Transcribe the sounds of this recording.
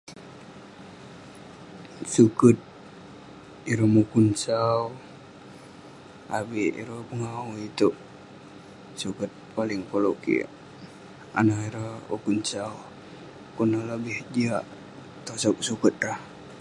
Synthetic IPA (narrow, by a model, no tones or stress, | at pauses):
sukət̪̚ | iɾəmukunsaw | a̰biʔḭɾəpəŋauit̪uʔ | sukət̪̚palɪŋpoloʔkḭ | a̰naiɾəhṵkunsaw | kunəhləbihd͡ʒiaʔ | t̪osɔk̚sukət̪̚rah